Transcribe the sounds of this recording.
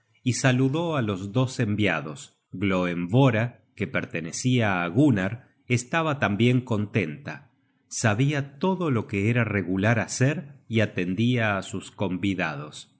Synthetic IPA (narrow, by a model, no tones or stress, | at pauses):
isaluðo̞alo̞zðo̞sembjaðo̞s | ɣlo̞emvo̞ɾa | ke̞peɾt̪e̞ne̞siaːɣunaɾ | est̪aβat̪ambje̞ŋko̞nt̪e̞nt̪a | saβiat̪o̞ðo̞lo̞keeɾare̞ɣulaɾaseɾiat̪e̞nd̪iaːsusko̞mbiðað̞o̞s